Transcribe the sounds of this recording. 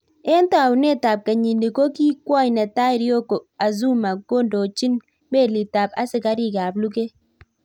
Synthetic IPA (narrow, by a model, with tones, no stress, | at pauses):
e˦nta˨wne˦ta˨p̚ka˨ɲi˨ndi˨ko˦ki˦kwɔ˦jnɛ˨ta˦ɪ˦ɾjo˦ko˨a˨zu˦ma˨ɡo˦ndo˨t͡ʃi˦n | me˦˨li˨ta˨pa̰˦sɪ˨ka˦ɾi˦ka˨blu˦ke˦